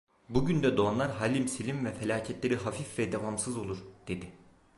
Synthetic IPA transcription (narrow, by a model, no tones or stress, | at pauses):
buɟynd̪ɛd̪oanlˠaɾɦaːlʲimsilʲimvɛfɛlʲaːcʰɛt̪lʲeɾiɦafifvɛd̪ɛvamsɯzo̞lˠuɾd̪̥e̞d̪ɪ